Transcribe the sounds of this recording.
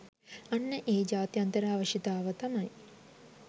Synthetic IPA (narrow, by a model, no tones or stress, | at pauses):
anːəʔeːd͡ʑaːt̪jant̪əɾaːʋəʂit̪aːʋət̪amɐj